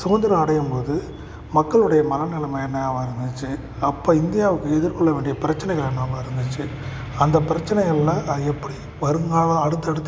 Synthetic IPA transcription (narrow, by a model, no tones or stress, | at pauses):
sʊɣɐnd̪ɐɾɐ̃ɐɽɐjɯmpoːðɯ | mɐkːɐɭɯɽɐjɐmɐlɐnɪlɐmɐɛnːɐjaːmɐɪɾɯnd̪ɯt͡ʃːɯ | ɐpːoːɪnd̪ɪjaːʋɯkːɯɛðɪɾkɔɭːɐʋeːɳɖɪjɐpɪɾɐt͡ʃːɐnɛɪɣɐɭɐnːaːmɐɪɾɯnd̪ɯt͡ʃːɯ | ɐnd̪ɐpɪɾɐt͡ʃːɐnɐɣɐlːãːɛpːɐɽi | ʋɐɾɯŋɡaːɭɐ̃ɐɽɯt̪ːɐɽɯt̪ː